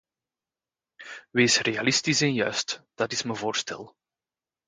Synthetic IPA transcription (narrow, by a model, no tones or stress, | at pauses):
ʋeːsrealɪstisɛnjœ̰ɥstd̥ɑtɪsməvoːrstɛ̰lˠ